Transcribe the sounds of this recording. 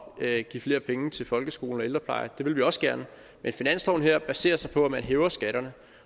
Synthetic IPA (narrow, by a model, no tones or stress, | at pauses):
ɡ̥ḭːfle̝ːɐpʰeŋət͡sʰe̝lfɒ̽lɡ̥əsɡ̥o̝ːln̩ɒ̽e̝ld̥ʁɐpʰlɑ̈ɪɐd̥e̝ʋe̝lʋiɒ̽sɡ̥æɐnə | menfinæn̰slɒʊn̩ɦeɐb̥æse̝̰ːɐsɑ̈ɪpʰɒ̽æmænɦeːʊɐsɡ̥æɾ̥ɐnə